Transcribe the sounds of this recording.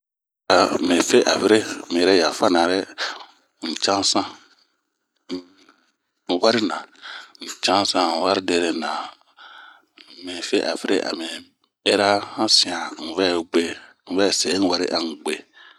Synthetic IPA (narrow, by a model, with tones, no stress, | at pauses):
a˨mĩ˨fe˦ʔa˨fi˦ɾe˦˨mĩ˨ɛ˨ɾɛ˦ja˨fa˦nã˨ɾɛ˦ | n̩˨t͡ʃã˦sã˦˨ | u˨wa˦ɾi˦nã˨n̩˨t͡ʃã˦sã˦˨wa˦ɾi˦de˨ɾe˨nã˨ | mĩ˨fe˦ʔa̰˨vi˦ɾḛ˦ʔa̰˨mĩ˨ | e˦ɾa˦hã˦sĩ˨ã˨n̩˨vɛ˦˨ɡ͡be˦ | n̩˨vɛ˦˨sɛ˨˦ni˦wa˦ɾḭ˦ʔa˨ŋ̩˨ɡ͡be˨